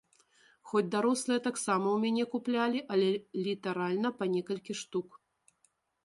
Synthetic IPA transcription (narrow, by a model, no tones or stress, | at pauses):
xɔd͡zʲd̪aɾɔslˠɨjɐt̪aksamɐwmʲanʲɛkuplʲalʲiʔɐlʲɛlʲit̪aɾalʲnɐpɐnʲɛkɐlʲkʲiʂt̪uk